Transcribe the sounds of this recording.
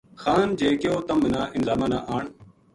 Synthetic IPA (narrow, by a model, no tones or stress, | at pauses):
xaːnd͡ʒeːkɪjoːt̪əmːɪnaːʔɪnzaːmaːnaːʔaːɳ